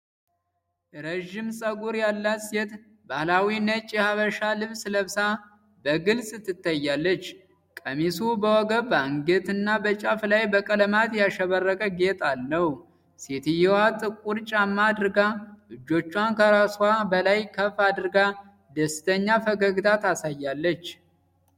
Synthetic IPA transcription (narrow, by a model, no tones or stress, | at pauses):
ɾəʒːɪmsʼəɡuɾjalːat̪set̪ | bahlawinət͡ʃʼɛhaβəʃalɨβsləβsa | bəɡɨlsʼɨt̪ʰːɨt̪ʰːajːalːət͡ʃː | kʼəmisubəwɔɡəbəaŋɡet̪ɨnːabət͡ʃʼaflajbəkʼələmat̪jaʃəβərːəkʼəɡet̪ʼalnəw | set̪ɨjɛwat̪ʼɨkʼuɾt͡ʃʼamːad̪ɨɾɡalɨd͡ʒːo̞t͡ʃːwankʰəɾasabəlajkʰəfad̪ɨɾɡa | d̪əsɨ̥t̪ʰəɲːafəɡəɡɨt̪ʰat̪asajːalːət͡ʃː